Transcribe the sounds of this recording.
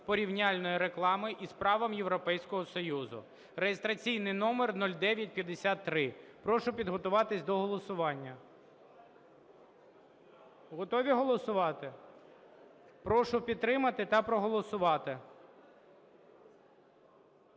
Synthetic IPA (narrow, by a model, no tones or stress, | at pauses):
pɔɾʲiwnʲɑlʲnɔjiɾeklˠɑmɪʔispɾɑʋɐmjewɾɔpɛjsʲkɔɦɔsɔjuzʊ̰ | rejest̪ɾɐt͡sʲijnɪjnɔmernɔlʲd̪ɛʋʲjɐt̚ʲpʲjɐd̪esʲat̪ːɾɪpɾɔʃʊpʲid̪ɦɔt̪ʊʋɑt̪ɪsʲd̪ɔɦɔlˠɔsʊʋɑnʲːɐ | ɦɔt̪ɔʋʲiɦɔlˠɔsʊʋɑt̪ɪ | pɾɔʃʊpʲid̪t̪ːɾɪmɐt̪ɪt̪ɐpɾɔɦɔlˠɔsʊʋɑt̪ɪ